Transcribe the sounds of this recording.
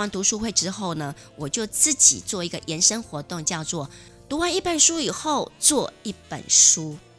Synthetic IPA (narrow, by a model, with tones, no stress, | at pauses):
a˧˥nt̪u˧˥ʂu˥xwe˥˩ɪʈ͡ʂɻ̩˥xo˥˩ʊnə˩ | wɔ˨˩t͡ɕjo˥˧ʊt͡sɹ̩˥˩t͡ɕḭ˨˩t͡swɔ˥˩i˧˥ɡə˧ʔjɛ˧˥nʂə˥ŋxwɔ˧˥t̪ʊ˥˧ŋt͡ɕjɑ˥˧ʊt͡swɔ˥˩ | t̪u˧˥wa˥ni˥˩pə˨˩nʂu˥i˨˩xo˥˧ʊt͡swɔ˥˧i˥˩pə̰˨˩nʂu˦˥